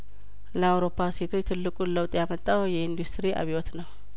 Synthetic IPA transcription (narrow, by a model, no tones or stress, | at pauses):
ləawɾo̞pʰːase̞t̪ʰo̞t͡ʃt̪ʰɨlːɨkʼuləwt̪ʼjamət̪ʼːawjɛind̪ust̪ɾiʔa̰βiwot̪nəw